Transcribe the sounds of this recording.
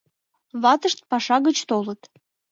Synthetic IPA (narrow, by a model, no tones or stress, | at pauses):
βɑt̪əʃt̪̚pɑʃɑɣət͡ɕt̪olət̪